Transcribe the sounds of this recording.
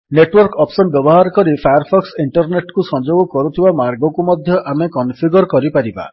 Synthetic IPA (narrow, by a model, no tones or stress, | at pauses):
neʈwɔɾkɔpsɔnbjɔbɔɦaɾɔkɔɾipʰajɔɾpʰɔksiɳʈɔɾneʈkusɔ̃nd͡ʒoɡɔkɔɾut̪ʰibamaɾɡɔkumɔd̪ʱjɔʔamekɔnpʰiɡɔɾɔkɔɾipaɾiba̰